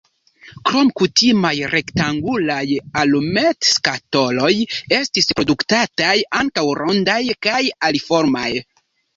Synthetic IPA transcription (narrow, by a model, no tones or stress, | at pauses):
kɾo̞mkutimajɾʔektaŋɡulajalumetskato̞lo̞je̞stispɾo̞duktatajaŋkawɾʔo̞ndajkajalifo̞ɾmaj